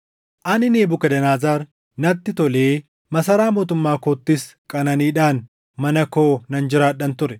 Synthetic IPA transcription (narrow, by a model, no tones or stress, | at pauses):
ʔɐnɪneːbʊkɐd̪ɐnaːzaːɾ | nɐt̪ːɪt̪ɔleː | mɐsɐɾaːmo̞ːt̪ʊmːaːkoːt̪ːɪs | kʼɐnɐniːᶑaːn | mɐnɐko̞ːnɐnd͡ʒɪɾaːᶑɐnt̪ʊɾɛ